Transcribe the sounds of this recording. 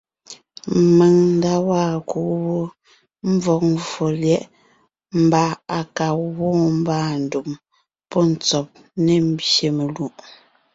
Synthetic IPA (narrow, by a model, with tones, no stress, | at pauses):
me˨ŋn̩˦da˦waː˦˨ku˨˦wo˦ | m̩˦vɔ˨k̚fɔ˨ljɛ˦ʔ | m̩˨˦ba˨a˨ka˨wɔ̃ː˦m̩˦baː˦˨n̩˨du˨m | pɔ˦n̩˨t͡sɔ˨p̚ | ne˨m̩˦bje˨me˨lu˨ʔ